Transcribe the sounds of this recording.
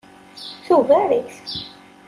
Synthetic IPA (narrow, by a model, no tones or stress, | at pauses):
θuvæɾiθ